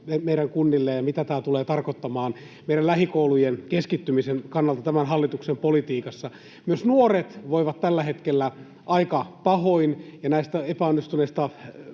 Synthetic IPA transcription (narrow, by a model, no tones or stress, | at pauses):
emeiɾæŋkunːilːejɑmit̪æt̪æːt̪uleːt̪ɑrkot̪ːɑmɑːn | meiɾællæhikoulujenkeskit̪ːymisenkɑnːɑlt̪ɑt̪æmænɦɑlːit̪uksempolit̪iːkɑsːɑ | myøsnuoret̪ʋoiʋɑt̪t̪ælːæhet̪kelːæ | ʔɑikɑpɑhoinjɑnæist̪æepæonːist̪uneist̪ɑ